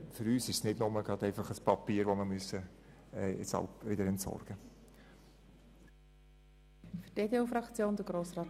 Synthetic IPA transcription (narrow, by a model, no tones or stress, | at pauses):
fʏɾyːsɪʃsnɪdnʊməɡɾɑd̪ɛɪfɑχəspɑpiːəɾʋoməmyəsə | ɛjɛ̰t͡shɑ̰lpʋɪdəɾɛntsɔ̰rɡ̥ə | fy̥teːdeuːfɾɑkt͡sjoːnd̥əɡ̥ɾoːsrɑː